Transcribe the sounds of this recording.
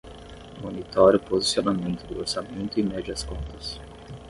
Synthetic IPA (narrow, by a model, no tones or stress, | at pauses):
monit̪ɔɾjʊpozisionamẽnt̪ʊd̪ʊoɾsamẽnt̪ʊɪmɛd͡ʒiɐskõnt̪ɐs